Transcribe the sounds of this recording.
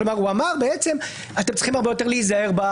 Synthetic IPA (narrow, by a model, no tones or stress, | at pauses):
lomaʁuamaʁbeet͡se̞m | at̪emt͡sl̥i̥χimhaʁbe̞jo̞t̪e̞ʁleizaeʁba